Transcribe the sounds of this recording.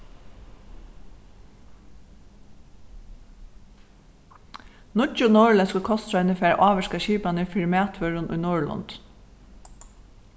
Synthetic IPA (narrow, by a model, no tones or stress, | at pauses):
nʊd͡ʒʊnoːɹɭəskʊlkʰɔst̪ɾɑʏnəfeːɾʔɑːʋəʃkɑʃiːpɑniːfɪɹmeːt̪ʰʋœɹʊnʔṵːnuːɹɭɑ̰nd̪̥